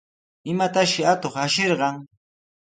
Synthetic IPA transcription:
ɪmat̪aʃɪat̪oχaʃeɾɢɑŋ

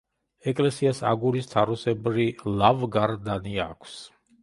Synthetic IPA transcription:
ɛkʼlɛsiasa̰ɡuɾist̪ʰaɾɔsɛbɾilˠavɡaɾd̪aniakʷʰs

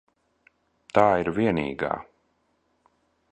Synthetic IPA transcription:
t̪aːiɾvʲiɛnḭːɡa̰ː

